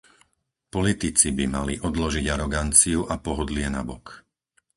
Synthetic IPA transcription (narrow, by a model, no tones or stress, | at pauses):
pɔlit̪it͡sibimaliʔɔd̪lɔʒiɟaɾɔɡant͡siuʔapɔɦɔd̪lɪɛna̰bɔk